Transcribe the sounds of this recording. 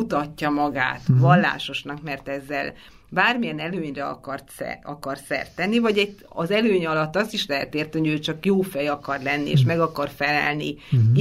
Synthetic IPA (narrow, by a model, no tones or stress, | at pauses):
ut̪ɒcːɒmɒɡa̰ːt̪vɒlːa̰ːʃo̞ʃnɒkmɛrt̪ɛzːɛ̰l | baːrmijɛnɛløːɲrɛɒ̰kɒrt̪ɛ̰ɒkɒrsɛ̰rt̪ɛnːivɒɟɛɟɒzɛløːɲɒlɒt̪ːɒsiʃlɛɦɛt̪eːrt̪iɦoɟøːt͡ʃɒkjoːfɛjɒkɒrlɛnːiḛːʃmɛɡɒkɒrfɛlɛ̰lnḭ